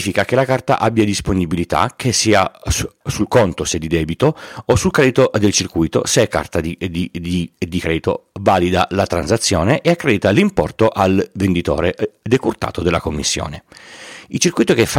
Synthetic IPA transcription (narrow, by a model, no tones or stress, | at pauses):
fikakelakart̪a̰ʔabːjad̪isponibilit̪a̰k̟ʰesiːasulkont̪osed̪id̪ɛːbit̪oosulkɾɛd̪it̪od̪elt͡ʃirkujt̪o̰seɛkːa̰rt̪ad̪id̪id̪id̪ikɾɛːd̪it̪o̰vaːlid̪alat̪ɾansat̪sːjoːneʔeakːɾɛd̪it̪alimpɔ̰rt̪oʔalvend̪it̪o̰ːɾed̪ekurt̪a̰ːt̪od̪elakomːisːjo̰ːne | ilt͡ʃirkujt̪okefa